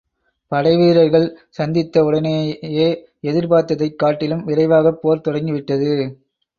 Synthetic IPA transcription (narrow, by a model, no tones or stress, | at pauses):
pɐɽɐɪʋiːɾɐɾɣɐɭsɐnd̪ɪt̪ːɐʊɽɐnejeː | ɛðɪɾpaːɾt̪ːɐðɐɪkːaːʈːɪlɯmɪɾɐɪʋaːɣɐpːoːɾt̪ɔɽɐŋɡɪʋɪʈːɐðɯ